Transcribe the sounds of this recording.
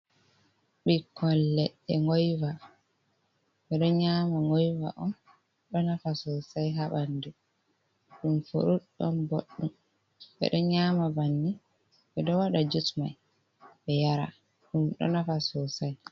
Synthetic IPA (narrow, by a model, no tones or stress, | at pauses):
ɓikɔlːɛɗɛŋɡɔjva | ɓɛɗɔɲaːmaŋɡɔjva̰ʔɔn | ɗɔnafasɔsajɦaɓandɛ | ɗumfo̰ɾuɗɔ̰nboɗːum | ɓɛ̰ɗɔɲamabanːi | ɓɛɗɔwaɗad͡ʒutma̰j | ɓɛjaɾa̰ | ɗumɗɔ̰nafasɔsaj